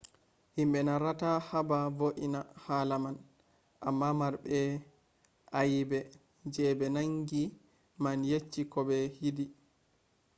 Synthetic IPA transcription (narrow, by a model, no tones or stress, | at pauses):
himbɛnaɾatahabavoʔinahaːlaman | ʔa̰mːamaɾbɛ | ʔajbɛ | d͡ʒɛːbɛnaŋɡi | manjet͡ʃːikɔbɛhidi